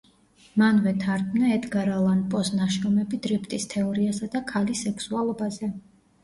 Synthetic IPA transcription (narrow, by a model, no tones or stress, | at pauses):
manvɛt̪ʰaɾd̪mnaɛt̪ʼɡaɾalˠanpʼɔsnaʃɾɔmɛbid̪ɾipʰt̪ʼist̪ʰɛɔɾiasad̪akʰalisɛkʰsualˠɔbazɛ